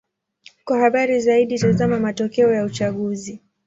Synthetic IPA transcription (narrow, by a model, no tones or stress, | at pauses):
kwahaɓaɾizaiɗitazamamatɔkɛɔjaut͡ʃaɠuzi